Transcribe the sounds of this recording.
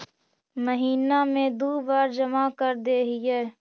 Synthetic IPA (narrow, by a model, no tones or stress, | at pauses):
məɦiːnamẽd̪oːbaːɾd͡ʒɐmakəɾd̪eːɦɪjɛː